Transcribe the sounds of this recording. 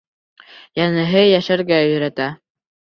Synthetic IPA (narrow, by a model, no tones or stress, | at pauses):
jænɤ̆ɦɤjæʃæɾɡæɵ̆ɵ̆ɾæt̪æ